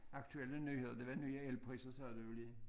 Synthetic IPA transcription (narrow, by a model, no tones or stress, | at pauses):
ɑkt̪ʰʉɛlːənyːheːðəd̪ɛʋɑnyːəɛlpʰʁiːsəsɑːd̪ʉʉliː